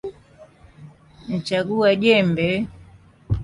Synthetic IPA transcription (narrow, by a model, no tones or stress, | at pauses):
n̩t͡ʃaɡuaʄɛmbɛ